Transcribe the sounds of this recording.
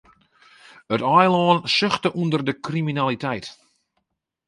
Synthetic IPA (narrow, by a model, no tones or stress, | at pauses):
ətɔjlɔːnsøxtəʔundərdəkriminalitɛjt